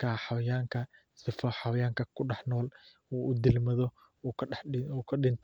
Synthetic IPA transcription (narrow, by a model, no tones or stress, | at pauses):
kʰaːħɑwɐjaːŋkʰɐ | sɪfɔħɑwɐjaːŋkʰɐkʰʊɖɑħnɔːl | uːʔʊd̪ɪlmɐðɔ | kʰuːkʰɐɗɪnt̪ʰ